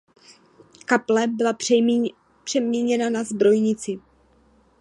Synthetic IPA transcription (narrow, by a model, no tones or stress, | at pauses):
kaplɛbɪla | pr̥ɛmɲɛɲɛnanazbɾo̞jɲɪt͡sɪ